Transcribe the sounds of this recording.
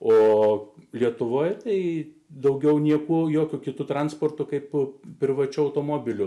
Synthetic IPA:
oːlʲiɛt̪ʊʋoːjt̪ɐɪ | d̪ɐʊɡʲɛʊnʲiɛkuɔjoːkʲʊkʲɪt̪ʊt̪ɾɐnspoɔːrt̪ʊkɐɪppʲɾʲɪʋɐt͡ʃʲʊɐʊt̪oːmoːbʲɪlʲʊ

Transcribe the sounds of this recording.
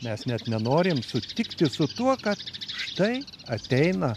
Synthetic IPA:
mʲɛsnʲɛt̪nʲɛnoːɾʲɪmsʊt̪ʲɪkt̪ʲɪsʊt̪uɔkɐt̪ʃt̪ɐɪɐt̪ʲɛɪnɐ

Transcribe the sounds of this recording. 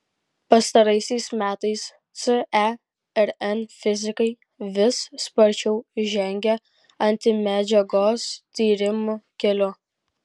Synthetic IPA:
pɐst̪ɐɾɐɪsʲɛɪsmʲæːt̪ɐɪs | t̪sɨɛ | ɛɾɛnfʲɪzʲɪkɐɪ | ʋʲɪsːpɐɾʲt͡ʃʲɛʊʒʲɛŋʲɡʲɛ | ɐnʲt̪ʲɪmʲæd͡ʒʲɛɡoːst̪ʲiːɾʲɪmʊkʲɛlʲʊ

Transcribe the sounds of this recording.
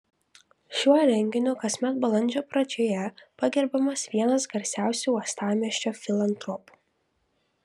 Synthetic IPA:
ʃʲuɔɾʲɛŋʲɡʲɪnʲuːkɐsʲmʲɛt̪̚bɐlˠɐnʲd͡ʒʲoːpɾɐd͡ʒʲoːjɛpɐɡʲɛɾbɐmɐsʋʲiɛnɐsɡɐɾʲsʲæˑʊsʲuːɔst̪ɑːmʲiɛʃʲt͡ʃʲoːfʲɪlˠɐnt̪ɾɔpu̥

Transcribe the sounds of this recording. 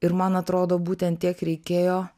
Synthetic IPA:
ɪɾmɐnɐt̪ɾoːd̪oːbuːt̪ʲɛnt̪t̪ʲiɛkɾʲɛɪkʲeːjoː

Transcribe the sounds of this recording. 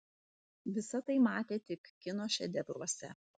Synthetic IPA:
ʋʲɪsɐt̪ɐɪmɑːt̪ʲeːt̪ʲɪkːʲɪnoːʃʲɛ̰d̪ʲɛbɾuɔsʲɛ̰

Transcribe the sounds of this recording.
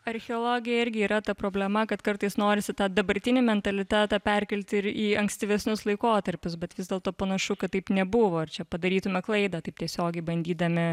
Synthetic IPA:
ɐɾʲxʲɛoːlˠoːɡʲɪjɛɪɾʲɡʲɪiːɾɐt̪ɐpɾoːbʲlʲɛmɐkɐt̪kɐɾt̪ɐɪsnoːɾʲɪsʲɪt̪ɑːd̪ɐbɐɾʲt̪ʲɪnʲɪmʲɛnt̪ɐlʲɪt̪ʲæːt̪ɑːpʲæɾʲkʲɛlʲt̪ʲɪɾiːɐŋksʲt̪ʲiʋʲɛsʲnʲʊslˠɐɪkoːt̪ɐɾʲpʲʊsbʲɛt̪ʋʲɪzd̪ʲɛlˠt̪oːpɐnɐʃʊkɐt̪t̪ːɐɪpnʲɛbʊʋoːɪɾt͡ʃʲɛpɐd̪ɐɾʲiːt̪ʊmʲɛklˠɐɪd̪ɐːt̪ɐɪpt̪ʲiɛsʲoːɡʲɛɪbɐnʲd̪ʲiːd̪ɐmʲɪ

